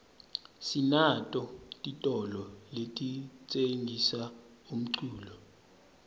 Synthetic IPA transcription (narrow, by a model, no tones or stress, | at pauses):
sinatʼɔtʼitʼɔlɔletʼit͡sʼeŋʱisa | um̩ǀuːlɔ